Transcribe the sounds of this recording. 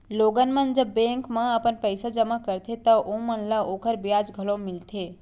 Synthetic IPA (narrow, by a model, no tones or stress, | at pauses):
loɡənmənd͡ʒəbːẽkmeəpənpəjsad͡ʒəmakəɾt̪ʰet̪əʔomənləokəɾbjad͡ʒɡʱəlõmilt̪ʰe